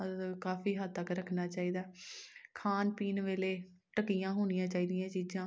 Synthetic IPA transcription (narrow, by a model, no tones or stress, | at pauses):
kaːfʰiːɦəd̪̚t̪əkɾəkʰnaːt͡ʃaːiːd̪aːkʰaːnpiːnʋeːleː | ʈəkijãːɦoːnɪjãːt͡ʃaːiːd̪ɪjãːt͡ʃiːd͡ʒãː